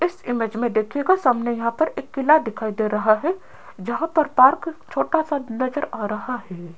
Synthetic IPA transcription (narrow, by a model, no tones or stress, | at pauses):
ɪsɪmeːd͡ʒmẽd̪eːkʰeɡasaːmnejɐɦãpɐɾeːkːɪlad̪ɪkʰaːid̪eːɾɐɦaɦɛ | d͡ʒɐɦãpɐɾpaːɾkt͡ʃʰoːʈasanɐzəɾaːɾɐɦaɦɛː